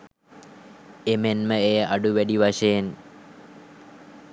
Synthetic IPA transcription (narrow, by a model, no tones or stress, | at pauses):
emenməejʔaɖuʋæɖiʋaʂejen